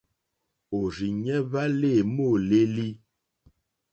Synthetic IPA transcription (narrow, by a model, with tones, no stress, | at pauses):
o˨ɾi˨ɲɛ˦βa˦le˦˨mo˦˨le˦li˦